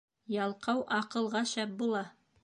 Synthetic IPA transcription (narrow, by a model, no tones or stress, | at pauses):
jɑlˠqɑwʔɑqɤ̆lˠʁɑʃæp̚bulˠɑ